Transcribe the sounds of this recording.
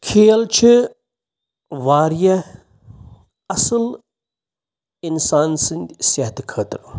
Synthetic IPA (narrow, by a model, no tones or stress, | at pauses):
kʰeːlt͡ʃʰi | ʋaːɾjɐ | ɐsɨl | insaːnsɨnʲd̪ʲsɐɦɐt̪ikʰəːt̪ɾ